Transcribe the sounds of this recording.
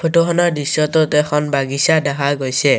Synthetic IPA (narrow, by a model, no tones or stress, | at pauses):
pʰotoɦɔnɔɹdisɔt̪otɛxʰɔnbaɡisadɛɦaɡojsɛ